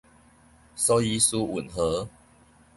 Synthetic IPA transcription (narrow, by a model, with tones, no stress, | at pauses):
sɔ˦i˦su˦ṵ˨˩nɦə˨˦